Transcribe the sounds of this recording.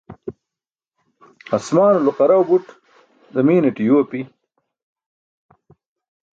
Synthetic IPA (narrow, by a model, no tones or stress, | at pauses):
asmɑːnuluqɑɾawbuʈ | d̪əmiːneʈijoːpi